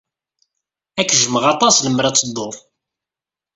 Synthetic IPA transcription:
ækːʒəməʁɑt̪ˤɑsləmːɾɑt͡sːəd̪ˤof

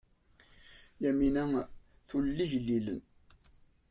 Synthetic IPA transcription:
jæminæ | θulːiʝlːilə̰n

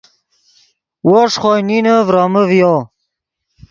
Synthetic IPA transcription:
woʂχojninəvɾɑməvjo

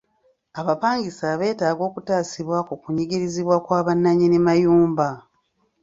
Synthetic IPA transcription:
aβapaːŋɡisaβe̞ːtaːɡo̞ːkutaːsiβwakukuɲiɡiɾiziβwakwaːβanːaɲinimajuːmba

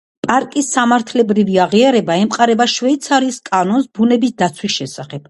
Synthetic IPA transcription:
pʼaɾkʼisːamaɾt̪ʰlɛbɾiviaʁiaɾɛbaɛmqʼaɾɛbaʃvɛit̪sʰaɾiːskʼanɔnsbunɛbisd̪at̪sʰwisʃɛsaχɛb̥

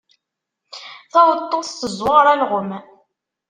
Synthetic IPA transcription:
θæwət̪ˤːoθt̪əzwɑɾˤælʁəm

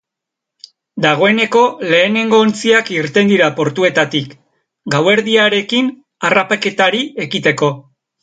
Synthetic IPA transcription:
d̪aɣ̞o̞e̞ne̞ko̞le̞ːne̞ŋɡo̞ːnt͡siakiɾt̪e̞nd̪iɾapo̞ɾt̪ue̞t̪at̪ik | ɡawe̞ɾðiaɾe̞kin | arapake̞t̪aɾie̞ɣit̪e̞ko̞

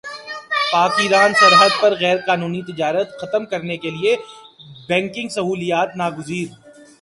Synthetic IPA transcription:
paːkiɾaːnsɐɾɦəd̪̚pɐɾɣɛːɾkaːnuːnit̪ɪd͡ʒaːɾət̪xɐt̪əmkɐɾnekelie | bɛ̃ːŋkɪ̃ŋɡsɐɦuːlijaːt̪naːɡʊziːɾ

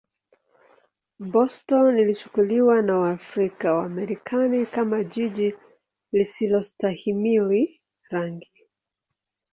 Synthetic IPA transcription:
bɔstɔnilit͡ʃu̥kuliwanawaːfɾikawaːmɛɾikʰanikamaʄiʄi | lisilɔstahimili | ɾaŋɡi

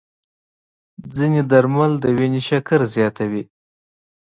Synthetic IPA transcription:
d͡zined̪aɾmald̪əweneʃakaɾzjɑt̪awi

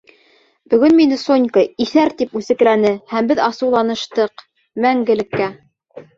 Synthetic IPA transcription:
bɵ̆ɡɵnminɘsonʲkəiθæɾt̪ipʉsɘ̆klænɘhæmbɘðɑsɤ̆wlˠɑnɤ̆ʃt̪ɤq | mæŋɡɘ̆lɘ̆kːæ

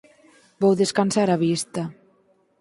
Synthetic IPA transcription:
bowðeskansaɾaβist̪a

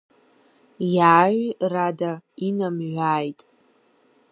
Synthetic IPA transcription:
jaːʒiradainamʒʷᶣaːjtʼ

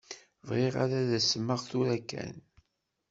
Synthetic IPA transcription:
vʁeʁaɾaðæsəmːəʁθuɾækːæ̰n

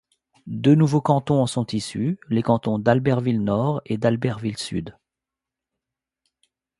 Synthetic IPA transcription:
d̪ønuvokɑ̃t̪ɔ̃ɑ̃sɔ̃t̪isylekɑ̃t̪ɔ̃d̪albɛʁvilnɔʁed̪albɛʁvilsyd̪

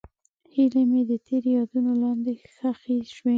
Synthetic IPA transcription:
hilamed̪ət̪ʰeɾjɑd̪unolɑnd̪exəxeʃwe

